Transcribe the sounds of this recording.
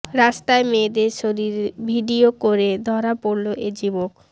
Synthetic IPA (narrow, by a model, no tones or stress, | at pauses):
ɾast̪aemed̪eɾʃoɾiɾbʱiɖiokoɾed̪ʱɔɾapoɾloʔed͡ʑibok̚